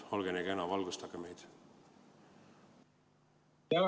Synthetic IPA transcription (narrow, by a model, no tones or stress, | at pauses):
o̞lɡeneɡ̥enɑvɑlɡust̪ɑɡeme̞jd̪̥ | jæl